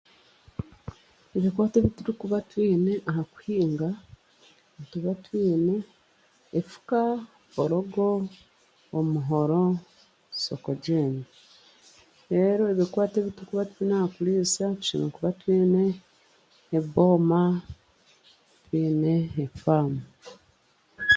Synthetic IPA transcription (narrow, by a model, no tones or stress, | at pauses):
eβikwaːteβituɾikuβatwiːne̞ʔahaku̥hiːŋɡa | tuβatwiːne̞ː | fu̥ka | oɾoɡo̞ː | muɦo̞ɾo | sokoɟeːni | eɾo̞eβikwaːteβituɾikuβatwiːnahakuliːsau̥t͡ʃinokuβatwiːneː | βo̞ːma | twiːneːfaːmu